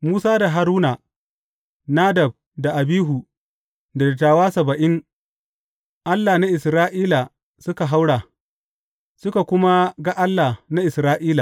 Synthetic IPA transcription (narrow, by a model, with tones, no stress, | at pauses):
muː˦saː˦da˨ɦa˨ɾuː˦na˨ | naː˦dɐ˨b̚ | da˨ʔa˨biː˦ɦu˨ | da˨da˨taː˨waː˦sɐ˨bɐ˨ʔɪ˦ŋ | ʔa˦lːa˨na˦ʔɪ˨sɾaː˦ʔiː˦la˨ | sʊ˦ka˨ɦa˦wɽaː˨ | sʊ˦ka˨kʷʊ˦ma˦ɡa˦ʔa˦lːaː˨na˦ʔɪ˨sɾaː˦ʔiː˦la˨